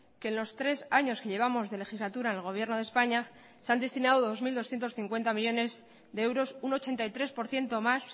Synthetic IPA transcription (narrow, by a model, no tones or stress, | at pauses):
ke̞ːnlo̞st̪ɾe̞saɲo̞ske̞ʎe̞β̞amo̞zðe̞le̞xizlat̪uɾaenelɣo̞β̞je̞ɾno̞ð̞e̞spaɲa | seand̪e̞st̪inaðoðo̞zmild̪oθjent̪o̞sθiŋkwe̞nt̪amiʝo̞ne̞z | ðeewɾo̞suno̞t͡ʃe̞nt̪ajt̪ɾe̞spo̞ɾθje̞nt̪omas